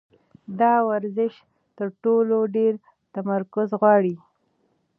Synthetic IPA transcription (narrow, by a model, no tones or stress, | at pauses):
d̪ɑwaɾzɪʃ | t̪əɾʈoloɖeɾ | t̪amaɾkʊzɣwɑɽi